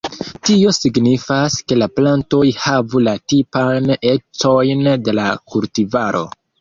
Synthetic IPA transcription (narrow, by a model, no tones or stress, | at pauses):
tio̞siɡnifaske̞laplanto̞jhavulatipajne̞t͡so̞jnde̞lakultivaɾʔo̞̰